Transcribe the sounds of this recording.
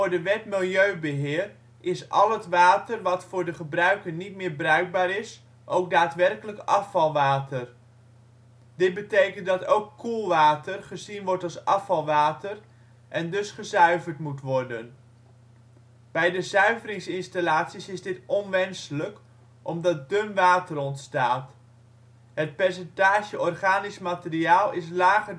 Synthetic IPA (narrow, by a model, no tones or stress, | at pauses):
ʊːɹdəʋɛtmɪlˠjøɥbəɦɪːr | ʔɪsʔɑ̰lˠɦətʋaːtərʋɑtfʊːɹdəχəbrœɥkəɹnitmɪːɹbrœɥɡ̚baːɾɪs | ʔowk̚daːtʋɛrkələkɑfɑlˠʋaːtʰər | d̥ɪt̚bətejkəntdɑtowkːulˠʋaːtərχəzinʋɔɹtɑlˠsɑfɑlˠʋaːtər | ʔɛndɵsχəzœɥvəɹtmutʋɔɹdən | b̥ɛjdəzœɥvərɪŋsɪnstalaːtsisɪzdɪtɔnʋɛnsələk | ʔɔmdɑt̚dɵmʋaːtərɔntstaːt | ɦət̚pɛɹsɛntaːʒəɔrχaːnɪsmaːtɪriaːlˠɪs̬laːχə